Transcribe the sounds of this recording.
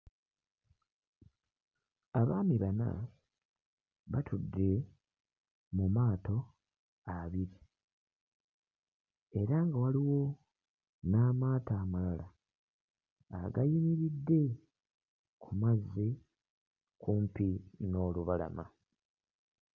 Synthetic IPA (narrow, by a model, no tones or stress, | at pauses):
aβaːmiβana̰ | βatʰudːe̞ | mumaːto̞ | aβiɾi | e̞ɾaŋɡawaliwo̞ | naːmaːtaːmalala | ɡajimiɾidːe̞ | kʰumazːi | kʰumpino̞ːluβala̰ma̰